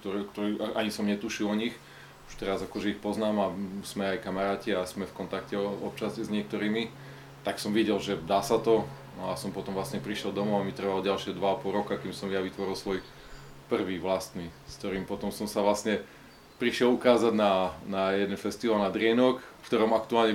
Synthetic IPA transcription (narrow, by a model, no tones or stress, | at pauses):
t̪ɔɾɛkt̪ɔɾiʔaɲisɔmɲɛt̪uʃilɔɲix | uʃt̪ɛɾazakɔʒɛixpɔznaːmaz̥mɛajkamaɾaːciasmɛfkɔnt̪akcɛɔ̰p̚t͡ʃaszɲɪɛk̚t̪ɔɾiːmi | t̪aksɔmʋiɟɛlʒɛd̪aːsat̪ɔ | nɔasɔmpɔt̪ɔmʋlasɲɛpɾiʃjɛlˠd̪ɔmɔamit̪r̩ʋalɔɟalʃɪɛd̪ʋaapɔlɾɔkakiːmsɔmjaʋit̪ʋɔɾilsʋɔj | pr̩ʋiːʋlast̪niskt̪ɔɾiːmpɔt̪ɔmsɔmsaʋlasɲɛ | pɾiʃɪɛlukaːzaɟnanajɛd̪ɛnfɛst̪iʋalnad̪ɾɪɛnɔkfkt̪ɔɾɔmakt̪uaːlɲɛ